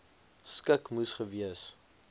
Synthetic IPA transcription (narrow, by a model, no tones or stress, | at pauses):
skəkmusχəviəs